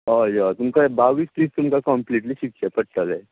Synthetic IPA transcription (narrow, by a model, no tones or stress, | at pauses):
ɔːjaːt̪ʊmkabaːʋiːspiːst̪ʊmkakɔmpliːʈliʃɪk̚t͡ʃapɐʈʈəlɛː